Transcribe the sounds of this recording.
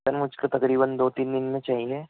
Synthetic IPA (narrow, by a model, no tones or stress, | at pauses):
ənmʊd͡ʒʱkat̪ɐkɾiːbənd̪oːt̪iːnd̪ɪnmẽt͡ʃaːɦieː